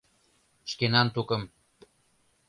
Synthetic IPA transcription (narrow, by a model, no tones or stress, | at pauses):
ʃkenɑnt̪ukə̆m